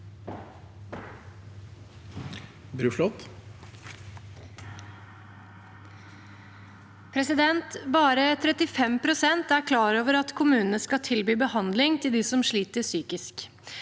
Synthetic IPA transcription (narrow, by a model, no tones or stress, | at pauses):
bɾʉʂlɔt̪ | pʰɾɛsɪd̪ɛnt̪bɑːɾət̪ʰɾɛt̪ɪfɛmpʰɾʊsɛnt̪æɾkʰlɑːɾoːʋəɾɑt̪kʰʊmʉːnnəskɑt̪ʰɪlbyːbəhɑnd̪lɪŋt̪ʰɪld̪ɪsɔmʂɭiːt̪əsyːkɪsk